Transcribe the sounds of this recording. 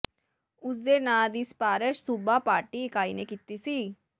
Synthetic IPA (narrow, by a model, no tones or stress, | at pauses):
ʊs̬d̪eːnaːd̪iːspaːɾəʃsubaːpaːɾʈiɪkaːiːnekit̪ːiːsiː